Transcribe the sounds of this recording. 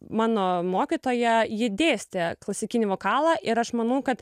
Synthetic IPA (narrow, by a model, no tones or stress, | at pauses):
mɑːnoːmoːkʲit̪oːjɛjɪd̪ʲeːsʲt̪ʲɛklˠɐsʲɪkʲɪnʲɪʋoːkɑːlˠɐʔɪɾɐʃmɐnɐʊkɐt̪